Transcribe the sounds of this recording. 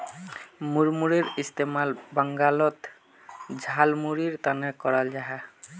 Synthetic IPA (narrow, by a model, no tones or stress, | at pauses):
muɾmuɾeɾist̪emalbaŋɡalɔt̪ | d͡ʑʱalmuɾiɾt̪anekɔɾald͡ʒaɦa